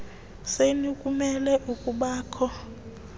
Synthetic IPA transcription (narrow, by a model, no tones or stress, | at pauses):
senikʼumɛlɛʔukʼuɓaːkʰɔ